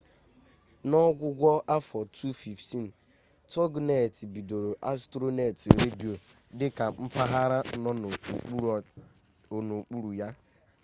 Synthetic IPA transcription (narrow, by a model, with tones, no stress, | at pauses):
nɔ˦ɡʷʊ˦ɡʷɔ˦ʔa˦fɔ˨tʰu˦fi˨fti˦n̩˨ | tɔ˦ɡne˨ti˨bi˨do˨ɾo˨ʔa˦stɾo˦ne˨ti˨ɾe˦di˨o˨ | dɪ˦ka˨m̩˦pa˦ɦa˦ɾa˦nɔ˦n˨˦ | o˨no˨k͡pu˦ɾu˨ja˦